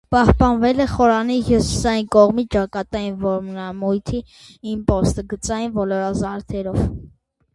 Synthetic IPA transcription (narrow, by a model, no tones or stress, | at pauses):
pɑhpɑnvɛlɛχɔɾɑnihusi̥sɑjinkɔʁmit͡st͡ʃɑkɑt̪ɑjinvɔɾmnɑmujt̪ʰiː | mpɔst̪əɡət͡sɑjinvɔlɔɾɑzɑɾt̪ʰɛɾɔv